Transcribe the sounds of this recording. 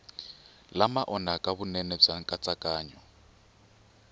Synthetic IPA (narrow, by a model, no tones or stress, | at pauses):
lamaʔɔnakʼaβunɛnɛb͡ʐaŋ̩kʼat͡sʼakʼaːɲɔ